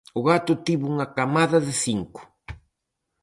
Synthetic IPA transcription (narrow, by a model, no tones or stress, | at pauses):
oɣat̪ʊt̪iβuuŋakamaðaðesiŋkʊ̥